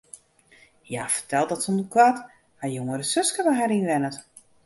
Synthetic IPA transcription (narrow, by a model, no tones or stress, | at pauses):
ja̰ːfərtɛlˠtdɔtsonkwat | hajoŋəɾəsøskəʋəɦaɾinʋɛnət